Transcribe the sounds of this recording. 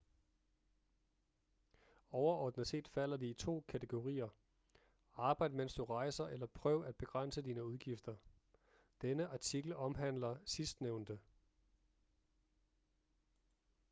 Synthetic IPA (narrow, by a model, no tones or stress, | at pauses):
ɒʊɐɒːd̥nəse̝̰ːd̥fæl̰ɐd̥iːt͡sʰo̝̰ːkʰæt͡sʰeɡ̥o̝ʁḭːɐ | ɑ̈ːb̥ɑ̈ɪd̥əmensd̥uʁɑ̈ɪsɐʔelɐpʰʁœʊæd̥̚b̥e̝ɡ̥ʁɑn̰səd̥iːnəuð̞ˠɡ̥ifd̥ɐ | d̥enəʔɑ̈t͡sʰiɡ̥l̩ɒ̽mɦæn̰lɐsisd̥neʊ̰nd̥ə